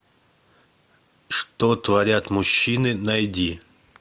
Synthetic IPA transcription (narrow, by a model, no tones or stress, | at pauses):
ʂt̪ot̪vɐɾʲat̪mʊɕːinɨnɐjd̪ʲi